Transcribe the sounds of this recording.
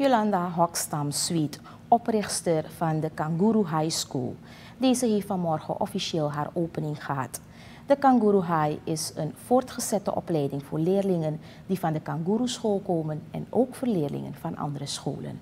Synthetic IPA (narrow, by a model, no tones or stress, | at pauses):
olɑndaɦɔkstɑmsʋit | ɔprɪχstərvɑndəkɑŋɡuɾuɦajskṵlˠ | deːzəɦeːftfɑnmɔrχə̰nʔɔfiʃeːlˠɦaːroːpənɪŋχəɦɑ̰t | d̥əkɑŋɡuɾuɦajɪsənv̥oːrtχəz̥ɛtə̰ʔɔ̰plɛjdɪŋvʊːrlɪːrlɪŋən | divɑndəkɑŋɡuɾusχoːlˠkoːmənɛ̰noːkfoːɹlɪːrlɪ̰ŋə̰nvɑnʔɑ̰ndərəsχo̰ːlə̰n